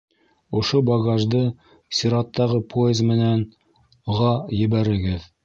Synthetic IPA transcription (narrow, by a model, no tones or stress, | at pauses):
ŏʃobɑɡɑʒd̪ɤ | sʲiɾɑt̪ːɑʁɤpʰoezmɘ̆næn | ʁɑjɘ̆βæɾɘ̆ɡɘð